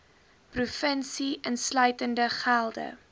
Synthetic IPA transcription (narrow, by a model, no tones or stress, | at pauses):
prufənsiʔənslœɥtəndəχælˠdə̰